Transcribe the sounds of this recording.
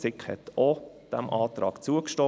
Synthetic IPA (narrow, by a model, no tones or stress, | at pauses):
sɪkhɛ̰t̪o | d̥æmʔɑːt̪ɾɑ̰ːkt͡suəkʃto